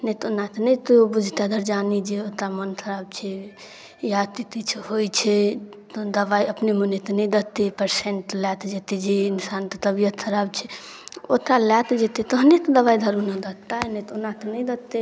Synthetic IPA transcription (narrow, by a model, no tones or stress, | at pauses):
nɛt̪onːat̪nəjt̪obud͡ʒʱt̪ad̪ʱəɾd͡ʒanid͡ʒeot̪ɾamənkʰəɾab̚t͡ʃʰɛ | jat̪it̪it͡ʃʰhojt͡ʃʰɛt̪ɔd̪əβajəpnemonet̪ɔnɛjd̪ət̪ːepəɾseɳʈlat̪d͡ʒet̪ed͡ʒeinsant̪ɔt̪əbijət̪kʰəɾabt͡ʃʰɛ | o̰t̪ɾalat̪d͡ʒet̪et̪ɔɦnet̪ɔd̪əβajd̪ʱəɾunəd̪ət̪ːanet̪onːat̪nəjd̪ət̪ːe